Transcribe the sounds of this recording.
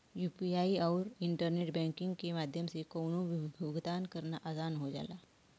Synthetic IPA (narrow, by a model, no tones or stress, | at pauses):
juːpiaiɔːɾɪɳʈəɾneʈbɛ̃ŋkɪŋɡkemaːd̪ʱjəmsekownuʋibʱjoɡd̪ankəɾnaʔasaːnɦod͡ʒa̰ːla